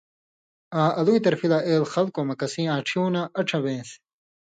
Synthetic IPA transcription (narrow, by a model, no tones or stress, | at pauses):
ãːʔɐluit̪ɐɾfilaʔeːlxɐlkomɐkɐsĩːãːʈ͡ʂʰjuːnaʔɐʈ͡ʂʰɐbẽːs